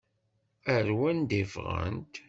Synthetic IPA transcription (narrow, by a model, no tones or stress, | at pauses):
æɾwænd̪ivʁə̰nt̪